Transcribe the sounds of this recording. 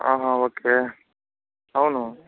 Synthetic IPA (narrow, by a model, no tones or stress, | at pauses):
a̰ːɦãoːkeː | ɦawno